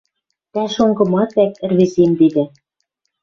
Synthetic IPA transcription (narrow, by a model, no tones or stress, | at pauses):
t̪æʃoŋɡɤ̆mɑt̪æk̚ɘ̆rβezemd̪id̪ɘ̆